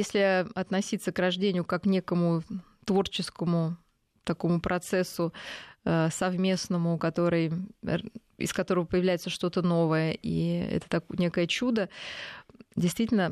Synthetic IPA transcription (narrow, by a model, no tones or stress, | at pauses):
jesʲlʲɪɐt̪nɐsʲit̪sːəkrɐʐdʲenʲɪjʊkaknʲe̞kəmʊ | t̪vo̞rt͡ɕɪskəmʊ | t̪ɐko̞mʊpɾʔɐt̪sɛsːʊəsɐvmʲe̞snəmʊkɐt̪o̞ɾɨj | ɪ̰skɐt̪o̞ɾəvəpəjɪvlʲæjɪt̪səʂt̪o̞t̪əno̞vəjəʔḭɛ̰t̪ə̥t̪ɐknʲe̞kəjət͡ɕud̪ə | dʲɪjst̪vʲitʲɪlʲnə